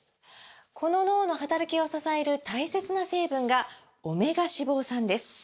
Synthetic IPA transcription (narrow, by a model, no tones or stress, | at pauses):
kʰo̞no̞no̞ːno̞ɦat̪aɾakʲio̞sasae̞ɾɯ̟t̪aise̞t͡sɨnase̞ːbɯ̟̃ŋɡa | o̞me̞ɡaɕibo̞ːsãnd̪e̞sɨ̥